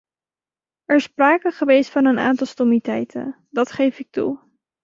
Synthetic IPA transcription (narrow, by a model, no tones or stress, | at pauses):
ɛɹɪspraːkəχəʋejstfɑnəna̰ːntɑlˠstomitɛjtə̰n | dɑtχejfɪk̚tṵ